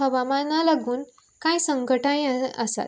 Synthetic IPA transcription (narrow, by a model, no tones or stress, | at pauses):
əʋamanalaɡuːn | kajsəŋɡəʈãjəsa̰t̪